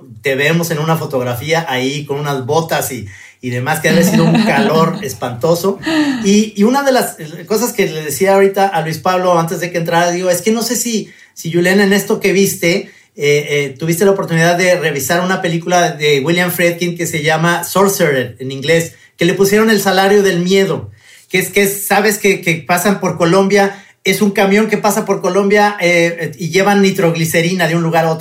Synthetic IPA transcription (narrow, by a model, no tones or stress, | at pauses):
t̪e̞βe̞mo̞se̞nũnafo̞t̪o̞ɣ̞ɾafiaʔaiko̞nũnazβo̞t̪asiː | ðe̞maskeeesiðouŋkalo̞ɾe̞spant̪o̞so̞iunaðe̞lasko̞s̬aske̞le̞ðe̞siaoɾit̪aʔalwispaβlo̞ant̪e̞zðe̞kent̪ɾaɾaðiɣoe̞ske̞no̞se̞si | siʝuljenaene̞st̪o̞ke̞βist̪e̞ | et̪uβist̪e̞laopoɾt̪uniðaðːe̞re̞βisaɾunapelikulaðe̞ɣwiljaɱfɾeðkiŋke̞se̞ʝamaso̞ɾseɾelenĩŋɡle̞s | ke̞le̞pusje̞ɾo̞ne̞lsalaɾjo̞ðe̞lmje̞ðo̞ | keskesːaβe̞skekepasampo̞ɾko̞lõ̞mbja | e̞suŋkamjõ̞ŋke̞pasapo̞ɾko̞lõ̞mbjaeiʝe̞βanit̪ɾo̞ɣlise̞ɾinaðeunluɣaɾaot̪o